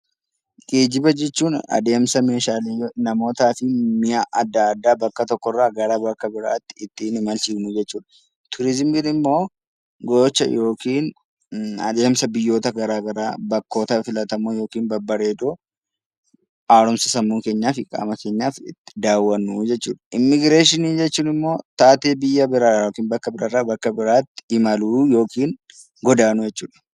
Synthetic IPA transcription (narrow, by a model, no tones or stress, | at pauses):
ɡ̥eːd͡ʒɪbɐd͡ʒɛt͡ʃːuːnɐ̰d̪e̞ːmsɐme̞ːʃaːlɪjnɐmo̞ːt̪aːfɪmɪjaʔɐd̪ːaːd̪ːaːbɐkːɐt̪ɔkːɔrːaɡɐɾaːbɐkːɐbɪɾa̰ːt̪ːɪ̥ːt̪ːinɪmɐlt͡ʃɪɡmʊd͡ʒɛt͡ʃːuːᶑ̪ɐ̥ | t̪ʰʊɾɪzɪmbilɪmːo̞ː | ɡot͡ʃːɐ̰jo̞ːkiːn | ɐ̰d̪e̞ːmsɐbɪjːo̞ːt̪ɐɡɐɾaːɡɐɾaːbɐkːo̞ːt̪ɐfɪlɐt̪ɐmoːjo̞ːkiːnbɐbɐɾe̞ːd̪oː | aːɾɔmsɐsɐmːuːke̞ːɲːaːfɪkʼa̰ːmɐke̞ːɲːaːfɪ̰t̪ːd̪aːwːɐnːud͡ʒɛt͡ʃːṵːᶑɐ̥ʔɪmːɪɡɾe̞ːʃɪniːd͡ʒɛt͡ʃːuːnɪmːo̞ːt̪aːt̪eːbɪjːɐbɪɾajoːkiːnbɐkːɐbɪɾɐrːaːbɐkːɐbɪɾaːt̪ːɪ̥ɪmɐluːjo̞ːkiːn | ɡɔd̪aːnʊd͡ʒɛt͡ʃːuːᶑɐ̥